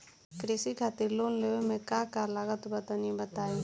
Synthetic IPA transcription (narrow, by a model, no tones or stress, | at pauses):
kɾɪsikʰaːt̪ɪɾloːnleemẽkakalaːɡət̪ubət̪anibət̪aːi